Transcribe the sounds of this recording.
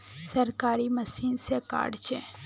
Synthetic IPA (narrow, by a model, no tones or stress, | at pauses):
sɐɾkaːɾimɐsiːnseka̰ːɖt͡ʃʰe